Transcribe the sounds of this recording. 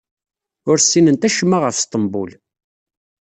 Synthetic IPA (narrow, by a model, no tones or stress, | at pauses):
ʊɾsːinənt̪æʃəmːaʁəfst̪ˤəmbṵl